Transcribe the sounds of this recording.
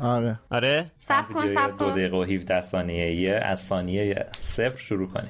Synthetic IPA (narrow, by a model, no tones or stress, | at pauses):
ɒɾeʔɒɾesabikoeæd̪od̪ejɣeoɦifd̪æhsɒːnijejeæ̰z̥sɒːnijejḛsefɾʃuɾuːkʰo̰ni̥